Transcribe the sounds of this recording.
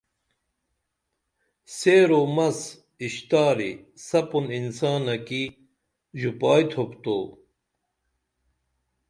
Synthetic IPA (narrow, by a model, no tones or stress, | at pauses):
seːɾomɐs | iɕt̪aːɾisɐpuninsaːnɐki | ʑupaːjt̪ʰopt̪o̰ː